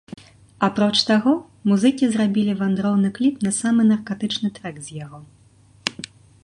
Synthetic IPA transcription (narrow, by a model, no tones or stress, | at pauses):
apɾɔt͡ʂt̪aɣɔ | muzɨkʲizɾabʲilʲivand̪ɾɔwnɨklʲipnɐsamɨnɐrkat̪ɨt͡ʂnɨt̪ɾɛɡzʲjaɣɔ